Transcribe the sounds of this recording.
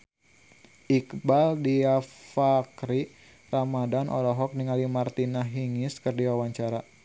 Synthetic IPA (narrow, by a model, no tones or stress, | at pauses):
ʔikbaldiafakɾi | ramadanʔɔ̰lɔɦɔk̚niŋalimart̪inaɦiŋɪskərdiwawaɲt͡ʃaɾa